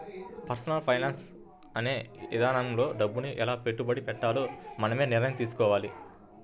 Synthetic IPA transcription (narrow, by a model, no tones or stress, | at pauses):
pɐɾsɐnɐlpʰɐjnaːns | ɐneːʋid̪ʱaːnɐmlo̞ːɖɐbːuniʔɛlaːpe̞ʈːubɐɽipɛʈːaːloːmɐnɐmeːniɾnɐjɐmt̪iːs̬u̥kɔːʋaːli